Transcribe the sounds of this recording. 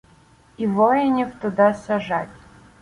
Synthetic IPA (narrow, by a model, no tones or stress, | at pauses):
ivojɛnʲɪft̪ʊd̪asaʐatʲ